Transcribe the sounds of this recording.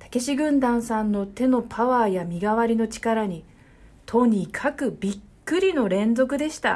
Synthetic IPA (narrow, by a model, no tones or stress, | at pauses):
t̪ḁke̞ɕiɡɯ̟̃nd̪ãɰ̃sãnːo̞t̪e̞no̞pʰaβaːjamʲiɡaβaɾʲino̞t͡ɕi̥kaɾaɲ̟i | t̪ʰo̞ɲ̟ikʰakɯ̟bʲikːɯ̟ɾʲino̞ɾẽ̞nzo̞kɯ̟d̪e̞ɕi̥t̪a̰